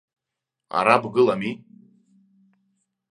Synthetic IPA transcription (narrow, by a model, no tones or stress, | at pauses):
a̰ɾabɡɨlami